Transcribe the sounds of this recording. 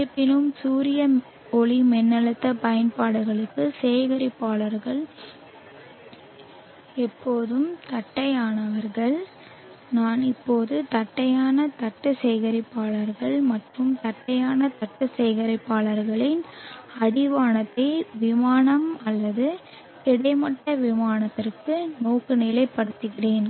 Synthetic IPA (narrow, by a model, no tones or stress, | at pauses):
ɯpːɪnɯmsuːɾɪjɐ | ɔɭimɛnːɐɭɯt̪ːɐpɐjɐnpaːɽɐɣɐɭɯkːɯseːɣɐɾɪpːaːɭɐɾɣɐɭ | ɛpːoːðɯmt̪ɐʈːɐjaːnɐʋɐɾɣɐɭ | naːnɪpːoːðɯt̪ɐʈːɐjaːnɐt̪ɐʈːɯsɛjɣɐɾɪpːaːɭɐɾɣɐɭmɐʈrɯmt̪ɐʈːɐjaːnɐt̪ɐʈːɯsɛjɣɐɾɐɪpːaːɭɐɾɣɐɭɪnɐɽɪʋaːnɐt̪ːɐɪʋɪmaːnɐmɐlːɐðɯ | ɛɽɐɪmɐʈːɐʋɪmaːnɐt̪ːɪrkɯnoːɣɯnɪlɐɪpːɐɽɯt̪ːɯɣɪreːn